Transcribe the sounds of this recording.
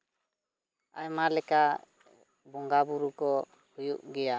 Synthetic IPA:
a̰jmalɛka | bɔŋɡabuɾukɔ | hujuʔɡɛja

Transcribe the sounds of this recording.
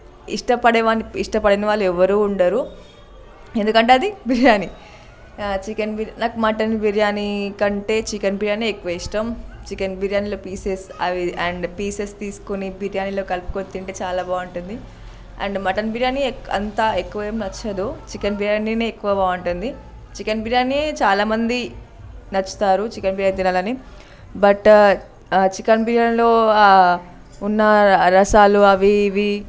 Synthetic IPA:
ḭʂʈɐpɐɽeʋaːniiʂʈɐpɐɽɐniʋaːlːɛʋɐɾuːɳɖaːɾu | e̞nd̪ukɐɳʈe̞ːɐd̪ibʱiɾjaːni | t͡ʃikɐnbʱiɾnaːkumɐʈɐnbiɾjaːnikɐɳʈe̞ːt͡ʃikɐnbʱiɾjaːniekːuʋɐiʂʈɐmt͡ʃikɐnbʱiɾjaːnilo̞ːpiːsesɐʋiɐɳɖpiːsest̪iːsu̥kunibʱiɾjaːnilo̞ːkɐlpu̥kot̪ːiɳʈeːt͡ʃaːlaːbaːuɳʈund̪i | ɐ̰ɳɖmɐʈɐnbiɾjaːniɐ̰nt̪aːekːuʋɐeːmnɐt͡ʃːɐd̪ut͡ʃikɐnbʱiɾjaːnineːkːuʋɐbaːuɳʈund̪i | t͡ʃikɐnbʱiɾijaːniet͡ʃaːlaːmɐnd̪i | nɐt͡ʃːu̥t̪aːɾut͡ʃikɐnbʱiɾjaːnd̪inaːlɐni | bɐʈ | t͡ʃikɐnbʱiɾjaːnilo̞ː | unːɐɾɐʃaːluɐʋiːʋi

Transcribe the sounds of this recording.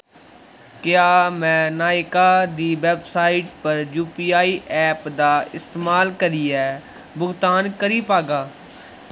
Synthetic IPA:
kɪjaːmɛ̃ːnaːɪkaːd̪iːʋɛːbsaːɪʈpəɾjuːpiːaːiːʔɛːpd̪aːɪst̪eːmaːlkəɾiːɛː | bʊɡt̪aːnkəɾiːpaːɡaː

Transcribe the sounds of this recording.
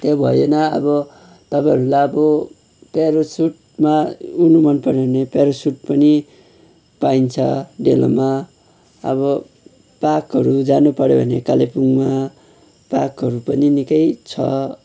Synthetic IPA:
t̪ebʱʌ̰jonʌʌ̰bʌ | t̪ʌpãɦʌɾulajʌbʌ | peɾosuʈ | maunumʌnpʌɾabʱʌnepeɾosuʈ̚pʌni | paint͡sʰʌɖelo̰ma | ʌ̰βʌ | pakɦʌɾud͡zanupʌɾjobʱʌ̰nekalepuŋma | pakɦʌɾupʌninikʌjt͡sʰʌ̰

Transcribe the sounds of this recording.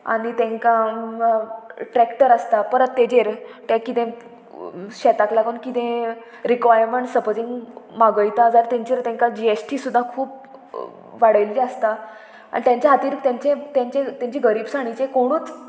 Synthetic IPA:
a̰ɽ̃it̪ɛ̃ŋkã | ʈɾɛkʈəɾəst̪apəɾət̪ːed͡ʑeɾt̪ɛ̃kit̪ẽ | ɕɛt̪aklaɡənkit̪ẽ | ɾikʋajəɾməɳʈsəpəd͡zĩŋɡmaɡəjt̪ad͡zaɾt̪ẽɲt͡ɕiɾt̪ɛ̃ŋkad͡ʑiesʈisud̪ʱːakʰuːp̚ | ʋaɽəjlit͡ɕəst̪a | a̰nit̪jãɲt͡ɕeɦat̪iːɾt̪jãɲt͡ɕẽt̪ãɲt͡ɕet̪jãɲt͡ɕiɡəɾiːbsaɽ̃it͡ɕẽkoɽ̃uːt͡s

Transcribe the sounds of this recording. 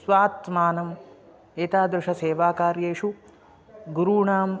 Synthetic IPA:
sʋaːt̪maːnɐm | eːt̪aːd̪ɾɪʂɐseːʋaːkaːɾjeːʂu | ɡuɾuːɳaːm

